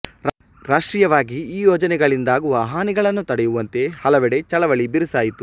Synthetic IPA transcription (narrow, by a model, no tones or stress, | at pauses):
ɾaːʂʈɾiːjɐʋaːɡiiːjɔːd͡ʒɐnɛɡɐɭind̪aːɡuʋɐɦaːniɡɐɭɐnːut̪ɐɽɛjuʋɐnt̪e̞hɐlɐʋɛɽe̞t͡ʃɐɭɐʋɐɭibiɾusaːjit̪u